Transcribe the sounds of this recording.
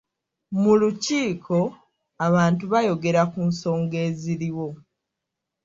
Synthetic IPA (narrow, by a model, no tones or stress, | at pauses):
muluciːkʰo̞ | aβaːntuβajo̞ɡe̞ɾakunso̞ːŋɡe̞ːziɾiwo̞